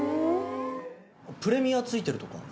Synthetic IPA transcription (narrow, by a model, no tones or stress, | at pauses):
pɯ̟ɾe̞mʲiat͡sɨit̪e̞ɾɯ̟t̪o̞ka̰